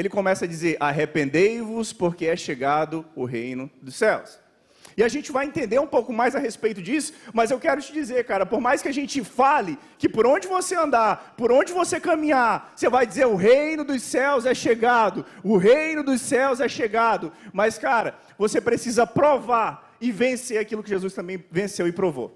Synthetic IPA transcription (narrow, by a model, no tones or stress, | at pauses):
elɪkõmɛsɐd͡ʒizeɾʔaɦepẽnd̪ejvʊspoɾkeɛʃeɡad̪ʊʊɦejnʊd̪ʊsɛws | ɪaʒẽnt͡ʃɪvajẽnt̪ẽnd̪eɾũpowkʊmajzɐɦespejt̪ʊd͡ʒisʊ̥mɐzewkɛɾʊt͡ʃɪd͡ʒizeɾkaɾɐpoɾmajskɪaʒẽnt͡ʃɪfalɪ | kɪpoɾõd͡ʒɪvoseɐ̃nd̪aɾpoɾõd͡ʒɪvosekɐ̃mĩɲaɾsevajd͡ʒizeɾʊɦejnʊd̪ʊsɛwzɛʃeɡad̪ʊʊɦejnʊd̪ʊsɛwzɛʃeɡad̪ʊmɐskaɾɐ | vosepɾesizɐpɾovaɾ | ɪvẽseɾakilʊkɪʒezust̪ɐ̃bẽj̃vẽsewɪpɾovo̰